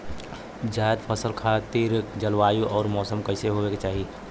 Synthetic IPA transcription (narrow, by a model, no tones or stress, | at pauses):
d͡ʒajd̪pʰəsəlkʰat̪iɾd͡ʒəlʋaːjuʔɔːɾmɔːsəmkəɪseɦoweket͡ʃaːɦi